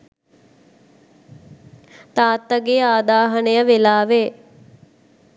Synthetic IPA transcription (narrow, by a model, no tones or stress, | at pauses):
t̪aːt̪ːəɡeaːd̪aːɦənəjəʋelaːʋe